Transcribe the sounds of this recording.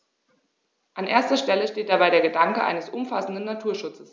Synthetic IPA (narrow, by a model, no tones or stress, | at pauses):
ʔanʔḛːɐstɐʃtɛləʃteːt̚d̥abaɪɾeːɐɡədaŋkəʔa̰ɪnəsʔʊmfasn̩dn̩ːatʰuːɐʃʊt͡səs